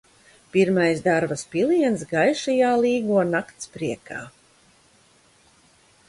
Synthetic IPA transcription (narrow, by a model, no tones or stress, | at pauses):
piɾmajsd̪aɾbaspilˠiɛnsɡajʃajaːlˠiːɡuɔnakt̪spɾiɛka̰ː